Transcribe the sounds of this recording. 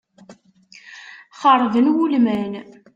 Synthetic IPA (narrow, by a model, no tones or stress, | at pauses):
χəɾˤvənwulmæn